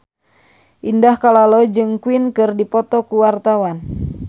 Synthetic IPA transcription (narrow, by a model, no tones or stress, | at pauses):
ʔindahkalalɔd͡ʒɨŋkwinkɨrdipɔt̪ɔkuwart̪awan